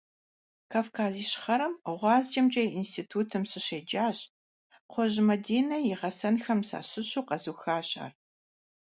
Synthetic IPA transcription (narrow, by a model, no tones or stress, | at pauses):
kʰaːfkʰaːziːɕχɐɾɐmʁʷɑːzd͡ʒɐmd͡ʒʼɐjinstʰiːtʰuːtʰɨmsɨɕeːd͡ʒaːɕʼ | qʰʷɔʑmɐdiːnɐjɪʁɐsɐnxɐmsa̰ːɕɪɕuːqɐzuxaːɕʼa̰ːr